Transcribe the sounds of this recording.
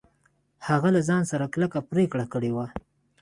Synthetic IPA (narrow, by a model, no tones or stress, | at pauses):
haɣalazɑnsaɾaklakapɾekɽakəɽewa